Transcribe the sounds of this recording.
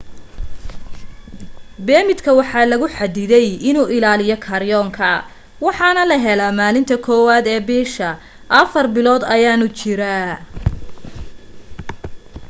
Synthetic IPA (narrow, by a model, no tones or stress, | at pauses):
bɛːmɪd̪kʰɐwɑħɑːlɐɣʊħɑd̪ɪðɛjɪnuːʔɪlaːlɪjɔkʰɐɾjɔːŋkʰɐ | wɑħɑnɐlɐɦɛlaːmaːlɪnt̪ʰɐkʰɔːwaːd̪ɛːbɛːʃɐ | ʔɐfɐrbɪlɔːd̪ɐjaːnʊt͡ʃɪɾa